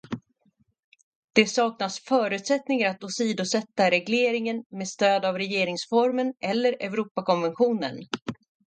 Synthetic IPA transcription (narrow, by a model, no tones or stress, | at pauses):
d̪̥ɛsɑːknasfœːɾʉ̟t̪sɛt̪nɪŋaɾat̪ʊsiːd̪ʊsɛt̪ːaɾɛɡleːɾɪŋənmeːd̪st̪øːd̪avɾɛjeːɾɪŋsfɔɾmənʔɛlːəɾɛvɾuːpakɔnvɛnɧuːnə̰n